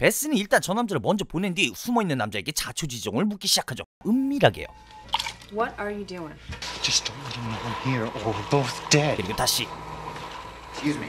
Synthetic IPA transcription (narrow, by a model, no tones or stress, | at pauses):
pe̞s͈ɯniːɭt͈ant͡ɕʌnːamd͡ʑaɾɯɭmʌnd͡ʑʌpone̞ndiɸumʌinːɯnːamd͡ʑae̞ɡe̞t͡ɕat͡ɕʰod͡ʑid͡ʑʌŋɯɭmuk̬͈iɕʰid͡ʑakʰad͡ʑo̰ | ɯmːiɾaɡe̞̰jo̰ | wʌɾə˞jɨduɪ̃ŋd͡ʒʌstõʊnwɛɾɨ̃nõnhiɹə˞wboʊθd̥ɛd̥kɯɾiɡotaɕ͈ʰi | skʉzmḭ